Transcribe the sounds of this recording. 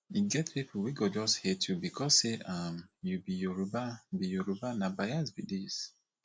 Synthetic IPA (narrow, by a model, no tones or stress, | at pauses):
iɡɛtɹipowiɡɔd͡ʒɔsthɛtʰjubikʰɔsseamjubijɔɹubabijɔɹubanabajazbidis